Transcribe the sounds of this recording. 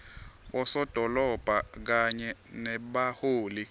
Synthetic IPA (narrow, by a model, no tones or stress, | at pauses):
ɓɔsɔd̥ʱɔlɔb̥ʱak̬aɲɛnɛɓahoːli